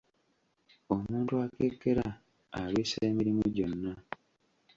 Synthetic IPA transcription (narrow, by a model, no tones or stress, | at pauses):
o̞muːntuakeːkːe̞ɾaː | βeːsaeːmiɾimuɟo̞nːa